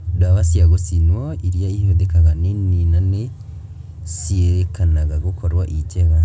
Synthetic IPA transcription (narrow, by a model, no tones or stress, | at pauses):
daβasijaɡosinwoiɾijaihodekaɡaneninane | sieɾekanaɡaɡokʰoɾwaʔiceɣa